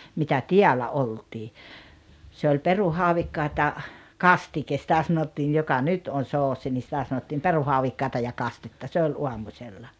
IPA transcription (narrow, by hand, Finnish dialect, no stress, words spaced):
mitæ tiælæ oltiː se olʲ peruhɑuʋikːɑːt jɑ kɑstikes sĭtæ sɑnotːiːj jokɑ nyt on̞ soːsi ni sĭtæ sɑnotːiːm peruhɑuʋikːɑˑetɑ jɑ kɑstetːɑ se olʲ uɑmusʲelːɑ